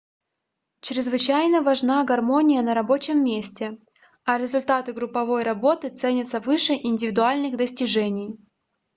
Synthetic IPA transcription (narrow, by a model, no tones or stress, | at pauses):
t͡ɕɾʲɪzvɨt͡ɕæjnəvɐʐnaɡɐrmo̞nʲɪjənəɾɐbo̞t͡ɕɪmːʲesʲtʲɪ | ɐɾʲɪzʊlʲt̪at̪ɨɡɾʊpːɐvo̞jɾɐbo̞t̪ɨt̪sɛnʲət̪səvɨʂɨʔɪnʲdʲɪvʲɪd̪ʊalʲnɨɣd̪əsʲtʲɪʐɛnʲɪj